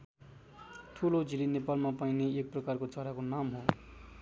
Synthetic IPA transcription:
ʈʰulod͡zilinepalmapaineek̚prʌkarkot͡sʌɾakonamɦo

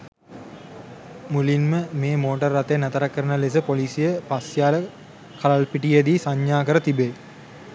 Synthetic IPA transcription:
mulinməmeːmoːʈərːɐt̪ejənæt̪əɾəkːəɾənəles̬əpoliːsijəpasjaːlə | kʰalalpiʈijed̪iːsaɲjaːkəɾət̪ibe

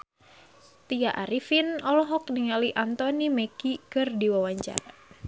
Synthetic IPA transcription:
t̪iaʔaɾifinɔlɔɦɔk̚niŋaliʔant̪ɔnimɛkikɨrdiwawaɲt͡ʃa̰ɾa

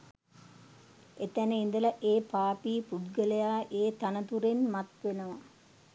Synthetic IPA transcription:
et̪ænəind̪əlɐʔeːpaːpiːpud̪ɡəlejaːʔeːt̪anət̪uɾenmat̪ʋenəʋa

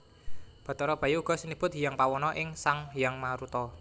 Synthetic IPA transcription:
b̥a̤t̪ɔɾɔb̥a̤juuɡ̥ɔ̤sənib̥ʊt̪̚ɦijaŋpawɔnɔʔɪŋsaŋɦijaŋmaɾut̪ɔ

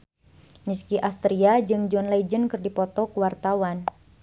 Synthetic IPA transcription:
miskiʔast̪ɾiad͡ʒɨŋd͡ʒɔnlad͡ʒənkərdipɔt̪ɔkuwart̪awan

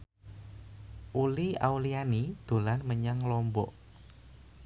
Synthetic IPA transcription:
ʔulia̰wlianid̪̥o̤lanməɲaŋlɔmbɔʔ

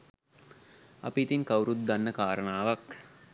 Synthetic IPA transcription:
a̰piːt̪iŋkawɾut̪̚d̪anːəkaːɾənaːʋak

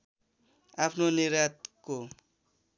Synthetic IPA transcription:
apʰnoniɾat̪̚ko

